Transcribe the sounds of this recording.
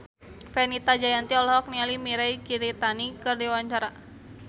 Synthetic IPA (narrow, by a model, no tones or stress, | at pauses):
fɛnit̪ad͡ʒajant̪iɔlɔhɔk̚nialimiɾajkiɾit̪anikɨrdiwaɲt͡ʃaɾa